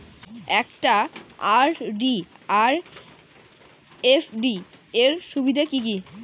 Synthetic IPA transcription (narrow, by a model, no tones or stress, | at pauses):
ɛkʈaaɾɖiaɾ | efɖieɾʃubid̪ʱakik̬i